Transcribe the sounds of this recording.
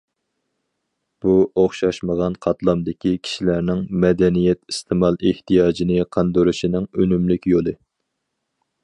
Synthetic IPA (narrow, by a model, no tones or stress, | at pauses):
b̥uoχʃɑʃməʁɑnqʰɑt̪lˠɑmd̪ɪkʲʰikʲʰi̥ʃilæɾnɪŋmɛd̪ɛnijɛt̪i̥st̪ʰɨmɑlˠɪht̪ijɑːd͡ʒinɪqʰɑnd̪uɾuʃinɪŋønymlykʲjolˠɨ